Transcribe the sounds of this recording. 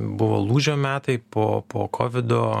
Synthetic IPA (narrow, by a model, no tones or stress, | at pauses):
bʊʋo̰ːlˠuːʒʲoːmʲæːt̪ɐɪpoːpoːkʰoːʋʲɪd̪oː